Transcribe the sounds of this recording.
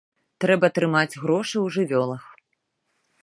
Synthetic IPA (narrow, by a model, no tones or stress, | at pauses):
t̪ɾɛbɐt̪ɾɨmad͡zʲɣɾɔʂɨwʐɨvʲɔlˠɐx